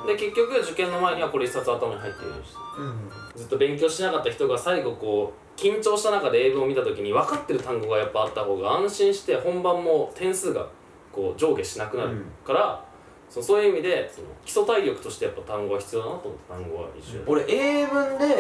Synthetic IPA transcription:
d̪e̞ke̞kʲːo̞kɯ̟d͡ʑɨkẽ̞nːo̞mae̞ɲ̟iβako̞ɾe̞isat͡sɨat̪amaɲiɦait̪ːeḭɕi̥t̪e̥ | d͡zɨt̪ːo̞bẽ̞ŋkʲo̞ːɕinakat̪ːaçi̥t̪o̞ɡasaiɡo̞ko̞ː | kʲĩɲ̟t͡ɕo̞ːɕi̥t̪anakad̪e̞eːbɯ̟̃ɰ̃o̞mʲit̪at̪o̞kʲiɲ̟iβakat̪ːe̞ɾɯ̟t̪ãŋɡo̞ɡajapːaːt̪ːaho̞ːɡaãɰ̃ɕĩɰ̃ɕi̥t̪e̞hõ̞mbãmːo̞t̪ʰẽ̞ɰ̃sɨːɡa̰ | ko̞ːd͡ʑo̞ːɡe̞ɕinakɯ̟naɾɯkaɾa | so̞noso̞ːjɯ̟imʲid̪e̞so̞̰no̞̰kʲi̥so̞t̪aiɾʲo̞kɯ̟t̪o̞ɕi̥t̪e̞japːat̪ãŋɡo̞açi̥t͡sɨjoːnanat̪omot̪ːet̪ãŋɡo̞̰βa̰ḭɕo̰koɾeʔeːbɯ̟̃nd̪e̞

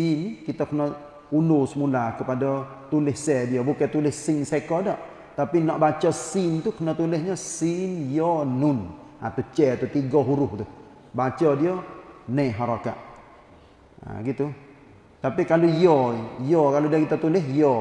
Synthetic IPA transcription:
sinkit̪akənɔ | unusmulakəpadɔ | t̪ulɪhsɛdiɔbukɛt̪ulɪhsiŋsɛkɔdɔʔ | t̪apinɔʔbat͡ʃɔsint̪ukənɔt̪ulɛhɲəsinjɔnun | a̰t̪ut͡ʃɛt̪ut̪iɡɔɦuɾuht̪u | bat͡ʃɔdiɔnɛɦaɾaka̰ʔ | a̰ɡit̪u | t̪apikalujɔjɔkaludiakit̪at̪ulɛɦjɔ

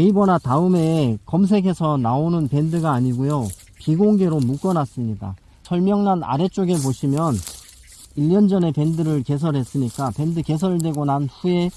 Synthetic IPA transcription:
eibʌnataɯme̞kʌms̬ʰe̞ɡe̞sʰʌnaonɯnpe̞ndɯɡaːɲiɡojo | piɡoŋɡe̞ɾomuk͈ʌnas͈ɯmɲida̰ | sʰʌɭmjʌŋnana̰ɾe̞t͡ɕ͈oɡe̞poɕʰimjʌn | iʎːʌnd͡ʑʌne̞pe̞ndɯɾɯɭke̞s̬ʰʌɾɦe̞s͈ɯɲik͈ape̞ndɯke̞s̬ʰʌɾɯdwe̞ɡonanɸuje̞

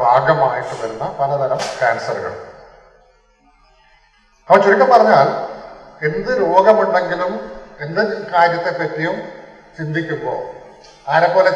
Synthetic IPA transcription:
bʱaːɡɐmaːjiʈːuʋɐɾunːɐpɐlɐd̪ʱɐlɐmkaːnsɐrɣɐ̰ɭ | ɐpːɐt͡ɕːuɾikʲːɐmpɐrɐɲːaːl | e̞nd̪ɨɾuːɡɐmuɳɖe̞ŋɡilume̞nd̪ɨkaːɾjɐt̪ːe̞pːɐtːijum | t͡ɕind̪ikʲːumɡo̰ː | aːɾɐpːoːle

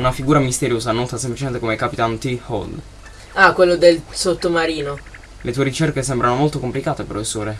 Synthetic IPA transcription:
unafiɡuːɾamist̪eɾjoːzanɔt̪asemplit͡ʃement̪ekomekapit̪ant̪ihɔ̰ld̪ | akwelːod̪elsot̪ːomaɾiːno | lʔet̪uːeɾit͡ʃerkesɛmbɾanomolt̪okomplikaːt̪epɾofesːoːɾe

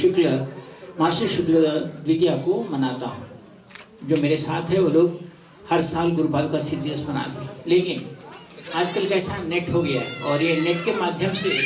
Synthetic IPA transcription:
ʃʊkɾəmaːsuʃʊkɾəd̪ʋɪd̪jakomɐnaːt̪aɦũ | d͡ʒoːmeːɾesaːt̪ʰɦɛʋoːloːɡ | hɐɾsaːlɡʊɾpaːlũkasɪd̪iəsmɐna̰ːt̪eɦɛ̃leːkɪn | aːd͡ʒkɐlkɛːsanɛʈɦoɡɐjaɦɛɔːɾjenɛʈkemaːd̪ʱjəmse

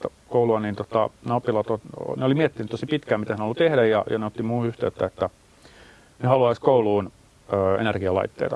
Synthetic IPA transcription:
kouluɑniːnt̪ot̪ɑ̰nɑopːilɑt̪o̰neolimiɛt̪ːinyt̪ːosipit̪kæːmit̪æsnolːut̪ehdæjjɑ̰jɑ̰neot̪ːimuːyht̪eyt̪ːæet̪ːæ | nehɑluɑiskouluːn | øːḛnerɡ̥iɑlɑ̰it̪ːḛit̪ɑ

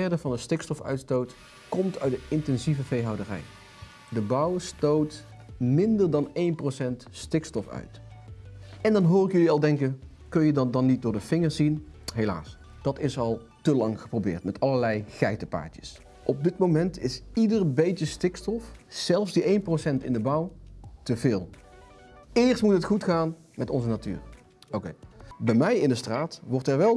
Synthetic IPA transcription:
ɛɹdəvɑndəstɪkstɔfœ̰ɥtstowt | kɔmtœ̰ɥt̚dəɪntɛnzivəvejɦɑwdərɛ̰j | dəbɑwstowt | mɪndəɹdɑnejnprosɛntstɪkstɔfœ̰ɥt | ɛndɑnɦʊːrɪkjɵliɑlˠdɛŋkən | kɵnjədɑdɑnit̚dʊːɹdəv̥ɪŋəɹzinɦela̰ːs | d̥ɑtɪsɑlˠ | təlɑŋχə̥prowbɪ̰ːɹtmɛtɑləɹlɛjɣɛjtəpa̰ːɹtjə̥s | ʔɔb̚dɪtmowmɛntɪsidərbejtəstɪkstɔfz̥ɛlˠfzdiʔejnprosɛntɪndəbʌwtəvɪːlˠ | ɪːɹstmutɦətχutχaːn | mɛtɔ̰nzənaty̰ːɹ | owkejbɛjmɛjɪndəstraːtʋɔɹtɛɹʋɛlˠ

